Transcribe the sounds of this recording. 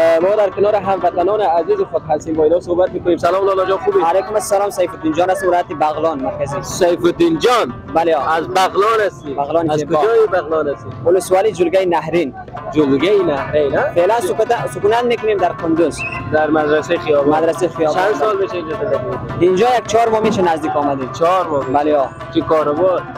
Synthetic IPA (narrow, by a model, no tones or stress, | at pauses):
mɔd̪aɾkinɔɾiɦamvat̪anɔniazizuχɔt̪ɦalsimbɔinɔsoːbat̪̚mekunemsalɔmlɔlɔd͡ʒɔubialekumasːalɔmsajfud̪ind͡ʒɔnhast̪imvilɔjat̪ibaɣlɔnmaɾkazisajfud̪ind͡ʒɔnbaleɔazbaɣlɔnast̪ibaʁlɔniazebkuɔd͡ʒɔibaʁlɔnast̪iuluswɔlid͡ʒulɡainaɦɾin | d͡ʒulɡainahɾenafelansukunat̪mekunemd̪aɾqʰund̪uzd̪aɾmad̪ɾaseiχijɔbɔmad̪ɾasaiχijɔbansɔlmeʃaind͡ʒɔt̪ad̪atmet̪eind͡ʒɔːjak̚t͡ʃʰɔɾmɔmeʃanazd̪ikɔmad̪it͡ʃʰɔɾmɔbaleɔ | kʰikɔɾɔbɔɾ